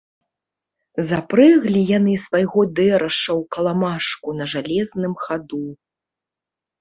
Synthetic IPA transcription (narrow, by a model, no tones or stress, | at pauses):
zapɾɨɣlʲijanɨsvajɣɔd̪ɛɾɐʂɐwkɐlˠamaʂkunɐʐalʲɛznɨmxad̪u